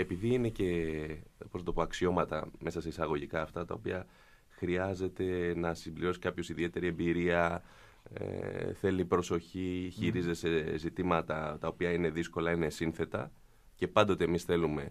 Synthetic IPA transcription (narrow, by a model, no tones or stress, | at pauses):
e̞piðiine̞ce̞ | pot̪opoɐksio̞mɐt̪ɐ̰me̞sɐseisɐɣo̞ʝikɐːft̪ɐt̪ɐ̰opiɐ | xɾiɐze̞t̪e̞nɐsimbliɾo̞si̥kɐpço̞siðie̞t̪e̞ɾie̞mbiɾiɐ | ḛθe̞lipɾo̞so̞çiçiɾizt̪ese̞zit̪imɐt̪ɐt̪ɐopiɐine̞ðisko̞lɐine̞sinθe̞t̪ɐ̰ | ce̞pɐnd̪o̞t̪emisθe̞lume̞